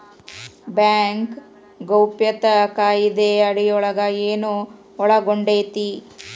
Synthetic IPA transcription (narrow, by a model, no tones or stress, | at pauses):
bjaːŋk | ɡɐwpjɐt̪ɐkaːjid̪eɐɽijɔɭɐɡɐeːnu | ɔɭɐɡoɳɖeːt̪i